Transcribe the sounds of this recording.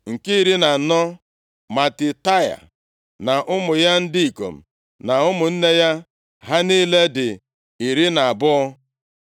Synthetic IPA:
ŋ̩˨kɪ˦i˦ɾi˦na˨nɔ˦ | ma˨tɪ˨ta˦ja̰˨ | na˨ʔʊ˦mʊ˨ja˦n̩˦di˦i˨ko̰˨m̩˨ | na˨ʊ˦mʊ˨n̩˦ne˦ja˦ | ɦa˦ni˦le˦dɪ˨ | i˨ɾi˦na˨a˨bʊ˦ɔ˦

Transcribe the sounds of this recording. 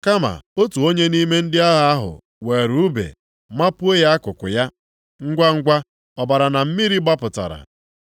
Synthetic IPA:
ka˦ma̰˨o˦tu˨o˦ɲe˦ni˦me˦n̩˦dɪ˦a˦ɦa˨a˦ɦʊ̰˨ | we˨ɾu˦bḛ˨ | ma˦pʊ˦e˦ja˦kʊ˨kʊ̰˨ja˦ | ŋ̩˦ɡʷa˦ŋ̩˦ɡʷa˦ | ɔ˨ba˨ɾa˨na˨m̩˦mi˦ɾi˦ɡ͡ba˦pʊ˨ta̰˨ɾa̰˨

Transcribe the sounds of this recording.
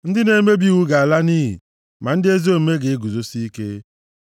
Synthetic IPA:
n̩˦dɪ˦ne˦me˦bi˦wu˦ɡa˨a˨la˦niː˦ɦḭ˨ | ma˨n̩˦dɪ˦e˦zi˦o˦˨me˦ɡe˨e˦ɡu˨zo˦si˦i˦ke˦

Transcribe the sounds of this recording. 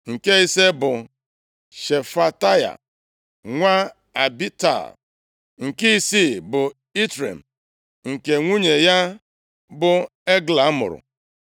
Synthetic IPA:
ŋ̩˨ke˦i˦se˦bʊ˨ | ʃe˨fa˦ta˦ja̰˨ | ŋʷa˦ | a˨bi˦ta̰˨ | ŋ̩˨ki˦i˦si˦bʊ˨ | i˦tɾḛ˨m̩˨ | ŋ̩˨ke˨ŋʷu˦ɲe˨ja˦ | bʊ˦ | e˦ɡla˨˦mʊ̰˨ɾʊ̰˨

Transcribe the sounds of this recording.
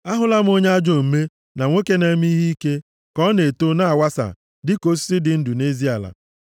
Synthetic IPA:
a˦ɦʊ˦la˦m˦o˦ɲ˦a˦d͡ʒo˦˨m̩˨me˦ | na˨ŋʷo˦ke˦ne˦m˦i˦ɦi˦ke˦ | kɔ˦ne˨to˦na˦a˨wa˦sa̰˨ | dɪ˦ko˦s̬i̥˦sɪ˦dɪ˨n̩˦du˨ne˦zi˦a˨la̰˨

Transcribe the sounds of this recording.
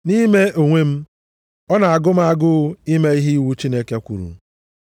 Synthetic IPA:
ni˦me˦ʔo˨ŋʷe˦m̩˦ | ɔ˦na˨a˨ɡʊ˦m̩˦a˦ɡʊ˦i˦me˦i˦ɦi˦wu˦t͡ʃi˦ne˦ke˦kʷṵ˨ɾṵ˨˦

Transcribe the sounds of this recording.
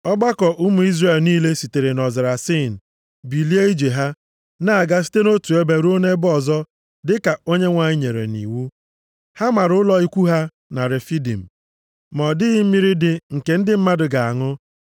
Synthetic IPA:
ɔ˦ɡ͡ba˦kɔ˨ʔʊ˦mu˨i˦zre˨lniː˦le˦si˨te˨ɾe˨nɔ˨zɪ˨ɾa˨si˦˨n̩˨ | bi˨li˦e˦i˦d͡ʒe˨ɦa˦ | na˦˨a˨ɡa˦s̬i̥˦te˦no˦tu˨e˦be˨ɾu˦o˦ne˦bɔ˨zɔ˦ | dɪ˦ka˨o˦ɲe˦ŋʷa˨i˦ɲe˨ɾḛ˨nḭ˨wu˦ | ha˦ma˨ɾʊ˦lɔ˨i˦kʷu˦ɦa˦ | na˨ɾe˨fi˦dḭ˨m̩˨ | mɔ˨dɪ˦ɣɪ˦m̩˦mi˦ɾi˦dɪ˨ŋ̩˨ke˨n̩˦dɪ˦m̩˦ma˦dʊ˨ɡa˨a˨ŋʊ˦

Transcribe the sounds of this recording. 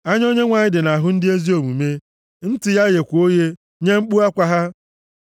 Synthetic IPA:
a˦ɲ˦o˦ɲe˦ŋʷa˨ɲɪ˦dɪ˨na˨ɦʊ˦n̩˦dɪ˦e˦zi˦o˨mu˨me˦ | n̩˦tɪ˨ja˦ɣe˨kʷu˨o˦je˦ | ɲe˦ŋ͡m̩˦k͡pu˦a˦kʷa˨ɦa˦

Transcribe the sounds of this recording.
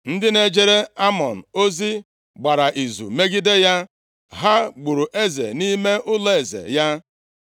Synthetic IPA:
n̩˦dɪ˦ne˦d͡ʒe˦ɾe˦a˦mɔ˨n̩˨o˦zi˦ | ɡ͡ba˨ɾa˨ʔi˨zṵ˨me˦ɡɪ˦de˦ja˦ | ɦa˦ɡ͡bu˨ɾu˨ʔe˦zḛ˨ni˦me˦ʔʊ˦le˨zḛ˨ja˦

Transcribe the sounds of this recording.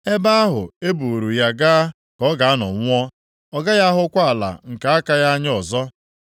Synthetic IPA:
e˦ba˦a˦ɦʊ˨e˦bu˨ɾu˨ja˦ɡaː˦ | kɔ˨˦ɡa˨a˦nɔ̰˨ŋʷ˦ɔ˦ | ɔ˦ɡa˦ja˦ɦʊ˦kʷa˦a˨la̰˨ŋ̩˨ka˨a˦ka˦ja˦ɲ˦ɔ˨zɔ˦

